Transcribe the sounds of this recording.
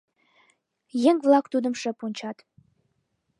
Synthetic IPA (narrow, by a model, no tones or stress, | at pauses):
jeŋvlˠɑkt̪ud̪ə̆mʃə̆punʲt͡ɕɑt̪